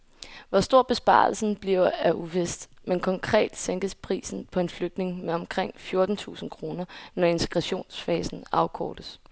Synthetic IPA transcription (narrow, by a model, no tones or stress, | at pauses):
ʋɒsd̥o̝ɐ̰b̥e̝sb̥ɑ̰̈ːl̩sn̩b̥liʊ̰æʔuʋesd̥menkʰɒ̽ŋkʰʁɛ̰ːd̥seŋɡ̥əspʰʁḭːsn̩pʰɒ̽e̝nfløɡ̥̚d̥ne̝ŋmeɒ̽mkʰʁeŋ̰fjo̝ɐd̥n̩t͡sʰṵːsn̩kʰʁo̝ːnɐnɒe̝nt͡sʰe̥ɡ̥ʁaɕo̝̰ːnsfɛːsn̩ɑ̈ʊkʰɒ̰ːd̥əs